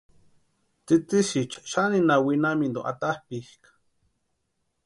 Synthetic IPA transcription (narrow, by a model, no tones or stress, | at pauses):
t͡sit͡siʃit͡ʃʃaninawinamind̪oʔa̰t̪ahpihkḁ